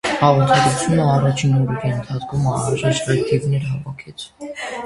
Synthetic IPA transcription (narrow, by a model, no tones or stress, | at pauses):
hɑʁɔɾt̪ʰɑɡɾut͡sʰjunəɑrɑt͡ʃʰinɔɾɔɾiənt̪ʰɑt͡skʰumɑnɾɑʒɛt͡ʃɾɑt̪ʰivnɛɾɦɑvɑkʰɛt͡sʰ